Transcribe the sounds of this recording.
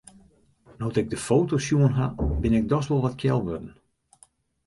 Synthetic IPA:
nɔwtɪɡ̚dəfowtosjuənɦabɪnɛɡ̚dɔsʋɔlˠʋatkʰjɛlˠʋødən̩

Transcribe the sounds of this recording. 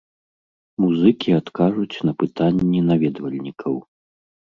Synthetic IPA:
muzɨkʲʰiat̪kaʐut͡sʲnɐpɨt̪anʲːɛnavʲɛd̪vɐlʲnʲikʰɐw

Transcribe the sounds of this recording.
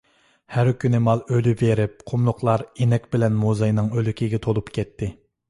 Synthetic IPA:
hæɾkʲʰynɪmɑlˠølyveɾɪp̚qʰʊmlˠʊqlˠɑɾenɛkʲbɪlɛnmozɑjnɨŋølykʲʰiɡʲɛt̪ʰolˠupkʲʰɛt̪ʰːɪ

